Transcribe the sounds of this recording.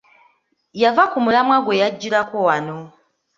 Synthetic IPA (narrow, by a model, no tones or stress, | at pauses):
javakumulamwaɡwe̞jaɟːiɾakowano̞